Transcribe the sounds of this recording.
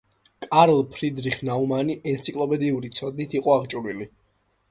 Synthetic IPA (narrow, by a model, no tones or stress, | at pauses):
kʼaɾlˠpʰɾid̪ɾiχnaumaniʔɛnt̪sʰikʼlˠɔpʰʼɛd̪iuɾit̪sʰɔd̪̚nit̪ʰiqʼɔaʁt͡ʃʼuɾili